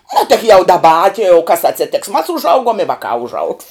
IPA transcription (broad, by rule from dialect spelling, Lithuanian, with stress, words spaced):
nʊ tʲɪk jɛʊ ˈdɑːbɐ ɐ tʲɪ jɛʊ kɐs ɐtʲsʲeːˈtʲeːks mɐs ʊʒˈɐʊɡuɔm ɪ ˈʋɑːkɑː ʊʒˈɐʊks